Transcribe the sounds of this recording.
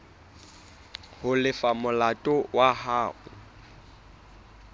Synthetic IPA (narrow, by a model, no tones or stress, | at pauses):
hʊlɪfamʊlatʼɔwahaːɣʊ